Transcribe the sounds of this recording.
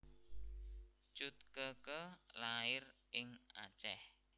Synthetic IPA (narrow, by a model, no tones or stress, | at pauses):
t͡ʃut̪̚kəkəlaɪrʔɪŋa̰t͡ʃɛh